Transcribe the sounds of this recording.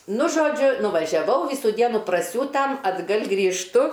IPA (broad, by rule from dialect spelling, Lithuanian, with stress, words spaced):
ˈnʊ ˈʒoːd͡ʒʲʊ nʊʋɐʒʲɛˈʋɐʊ ˈʋʲiːsuː ˈdʲiɛnuː prɐˈsʲuːtɐm ɐdˈɡɐlʲ ɡrʲiːʃˈtʊ